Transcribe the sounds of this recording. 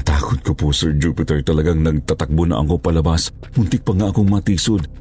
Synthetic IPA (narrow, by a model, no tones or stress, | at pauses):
t̪aːkʊt̪̚koposɛɹd͡ʒuːpɪt̪ɛɹt̪ɐlɐɡaŋnɐɡ̚t̪at̪ɐk̚bonɐ̰ʔɐ̰kopɐlɐbas | mʊnt̪ɪk̚pɐŋaʔɐkoŋmɐt̪iːsod̪̚